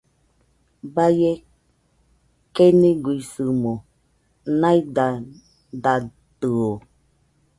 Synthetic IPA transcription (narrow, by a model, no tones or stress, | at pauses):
baje | keniɡuisɨmo | nãid̪a | d̪a | t̪ɨo